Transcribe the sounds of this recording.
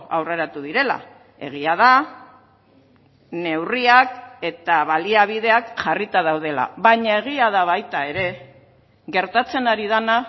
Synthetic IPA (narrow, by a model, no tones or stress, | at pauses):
a̰wre̞ɾat̪uð̞iɾe̞la̰ | e̞̰ɣ̞iað̞a | ne̞wriake̞t̪aβaliaβ̞iðe̞akʝarit̪aðawð̞e̞la̰βaɲae̞ɣ̞iað̞aβ̞ajt̪ae̞ɾe̞ | ɣe̞ɾt̪at͡se̞naɾið̞ana